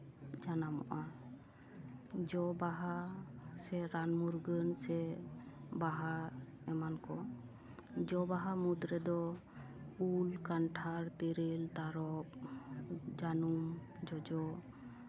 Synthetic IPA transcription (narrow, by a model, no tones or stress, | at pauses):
d͡ʒanamɔ̰ʔa | d͡ʒɔbaɦasɛɾanmuɾɡənsɛ | baɦa | ɛmankɔ | d͡ʒɔbaɦamud̪ɾɛd̪ɔ | ulkanʈʰaɾt̪ɛɾelt̪aɾɔp̚ | d͡ʒanumd͡ʒɔd͡ʒɔ